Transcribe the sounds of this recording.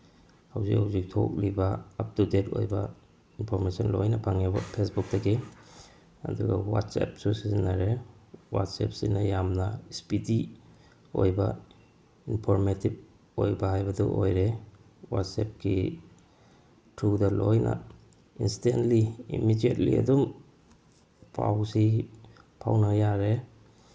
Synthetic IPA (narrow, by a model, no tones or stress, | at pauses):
hawzikhawzik̚tʰo̰k̚libɐːp̚tudeto̰jbɐ | inpʰoɾmesɐnlojnɐpʰaŋabɐpʰesbuk̚tɐɡe | ɐ̰duɡɐ̰wa̰tsḛp̚susizinːaɾewa̰tsep̚sinɐjamnɐspidi | ojbɐ | inpʰoɾmetib̚ | ojbɐɦajbɐduʔojɾe | wa̰tsep̚ɡḭ | tʰɾudɐlojnʔɐ̰ | instentliḭmidiet̚liɐ̰dum | pʰa̰wsi | pʰa̰wnajaɾe